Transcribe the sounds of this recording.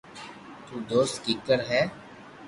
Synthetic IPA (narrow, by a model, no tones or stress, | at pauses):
t̪uːd̪oːst̪kiːkəɾɦɛː